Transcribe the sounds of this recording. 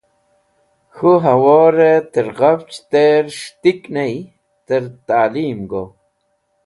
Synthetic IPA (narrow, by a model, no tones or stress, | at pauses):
xuɦawoɾet̪əɾɣawt͡ʃt̪eɾʂt̪iknej | t̪əɾt̪aːlimɡo